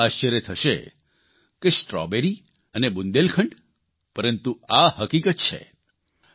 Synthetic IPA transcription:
aʃəɾet̪ʰəʃḛ | kesʈɾɔ̰beɾi | ənebund̪elkʰəɳɖ | pəɾənt̪uahəkikət̪̚t͡ʃʰḛ

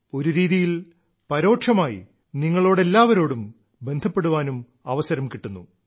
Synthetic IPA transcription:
o̞ɾuɾiːðijil | pɐɾo̞ːʈʂɐmaːjḭ | niŋːɐɭo̞ːɽe̞lːaːʋɐɾo̞ːɽum | be̞nd̪ʱɐpːe̞ɽuʋaːnum | ɐʋɐsɐɾɐmkiʈːunːṵ

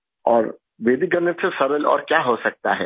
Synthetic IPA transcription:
ɔːɾ | ʋeːd̪iɡəɾnət̪sesɐɾəlɔ̰ːɾkjaːɦosɐk̚t̪a̰ɦɛ̰ː

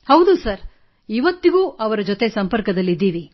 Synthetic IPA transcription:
hɐwd̪usɐɾ | iʋɐt̪ːiɡuːʔɐʋɐɾɐd͡ʒot̪e̞sɐmpɐɾkɐd̪ɐlːid̪ːiːʋi

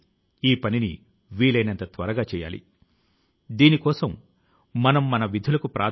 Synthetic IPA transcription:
iːpɐnini | ʋiːɭɐjnɐnt̪ɐt̪ʋɐɾɐɡaːt͡ʃɛːja̰ːlḭ | d̪iːnikɔːsɐmː | ɐnɐmːɐnɐʋid̪ʱulɐkupɾʔa̰ː

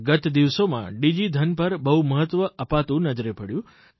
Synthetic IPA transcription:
ɡət̪d̪iʋsomã̰ɖid͡ʒid̪ʱənpəɾbəɦuməɦət̪ʋəəpat̪ũnəd͡ʒɾepəɽjũ

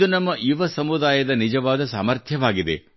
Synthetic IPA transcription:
unɐmːɐʔiʋɐsɐmud̪aːjɐd̪ɐnid͡ʒɐʋaːd̪ɐsa̰ːmɐɾt̪ʰjɐʋaːɡid̪e̞̰

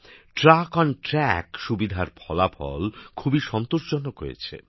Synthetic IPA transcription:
ʈɾakɔnʈɾɛkʃubid̪ʱaɾpʰɔlapʰɔ̰lkʰubiʃɔnt̪oʃd͡ʑonːoko̰jḛt͡ɕʰḛ

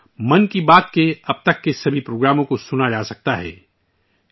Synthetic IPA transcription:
mɐnkibaːt̪̚keɐb̚t̪ɐkːesɐbʱipɾoːɡɾaːmõkosʊnad͡ʒaːsɐk̚t̪aɦɛ̰ː

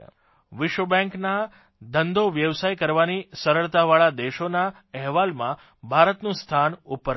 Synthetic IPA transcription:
ʋɪʃʋəbɛ̃ŋkna | d̪ənd̪oʋjəʋsajkəɾʋanisəɾəɭt̪aʋaɭad̪eʃona | ɛɦʋalmã | bʱaɾət̪nũst̪ʰanupəɾ

